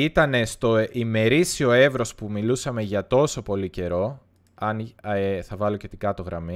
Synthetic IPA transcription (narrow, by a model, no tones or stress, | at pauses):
it̪ɐne̞st̪o̞ʔime̞ɾisio̞e̞vɾo̞spumilusɐme̞ʝɐt̪o̞so̞po̞lice̞ɾo̞ | ɐneθɐvɐlo̞ce̞t̪iɡɐt̪o̞ɣɾɐmi